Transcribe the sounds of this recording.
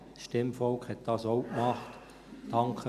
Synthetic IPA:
ʃtɪmfɔlkhɛt̪̚d̥ɑsowkmɑχt | d̥ɑŋkʰə

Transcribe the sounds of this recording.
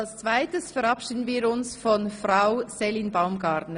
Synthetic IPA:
lst͡sv̥aɪtəsfəɾɑpʃiːdən̩viːɾʊnsfɔnfraʊsɛlinbaʊmɡɑːɾtnə

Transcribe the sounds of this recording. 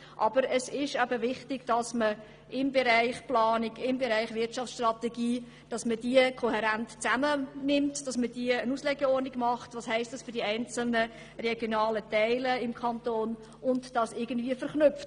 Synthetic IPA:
ʔɑbəɾəsɪʃɛbəvɪχtɪɡd̥ɑsmə | ʔɪmbɛɾæɪχplɑːnɪɡɪmbɛɾæɪχvɪtt͡ʃɑft͡sʃtrɑtɛɡiː | d̥ɑsmədiəkʰoɦɛɾæntt͡sæmənɪmtd̥ɑsməd̥iəənuslɛɡəɔrnɪɡmɑχtvʋɑːshɛɪstd̥ɑsfʏɾdiæɪnt͡sl̩nə | rɛɡjonɑːlətɛɪləɪmkʰɑntoːn | ʔʊndd̥ɑsɪɡ̥ən̩dviːəfəɾχnʏpft

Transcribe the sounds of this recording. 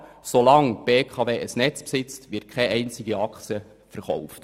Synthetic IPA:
solɑŋb̥eːkʰɑveːʔəsnɛt͡spsɪt͡stʋɪt̚kʰχɛʔɛɪnt͡sɪɡiɑkχt͡sjə | fəɾχɔ̰wft

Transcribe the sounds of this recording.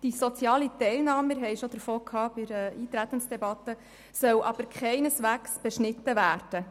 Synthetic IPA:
d̥isɔt͡sjɑːlit̪ɛɪlnɑːməɾɦɛɪʃod̪̥əɾfoːkʰhɑːbɪɾəiːt̪ɾæt̪ːənsd̥ɛbɑt̪ːə | sœwʔɑb̥əɾkʰχɛɪnəsʋæːksb̥ɛʃnɪt̪ːəʋæːrd̥ə

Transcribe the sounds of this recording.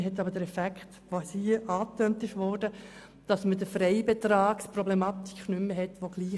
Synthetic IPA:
ɦɛtɑbəɾd̥əɾɛfækχtʋosiʔɑːtœntɪʃʋɔːɾdə | d̥ɑsmədəfɾɛɪbet̪ɾaːksprɔblɛmɑt̪i̥kʰnʏmːəɦɛtʋoɡ̥liː

